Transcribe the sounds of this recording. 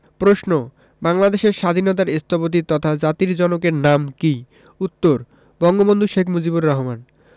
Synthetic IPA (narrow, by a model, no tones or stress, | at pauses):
pɾoʃno | baŋlad̪eʃeɾʃad̪ʱinɔt̪aɾest̪ʰopot̪̬it̪ɔt̪ʰad͡ʑat̪iɾd͡ʑɔnokeɾnamki | ut̪ːoɾ | bɔŋɡobond̪ʱuʃekʰmud͡ʑibuɾːɔɦoman